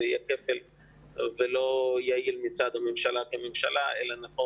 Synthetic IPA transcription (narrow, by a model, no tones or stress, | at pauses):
ijekefel | velo̞jailmit͡sad̪amemʃalakememʃalaʔelanaχo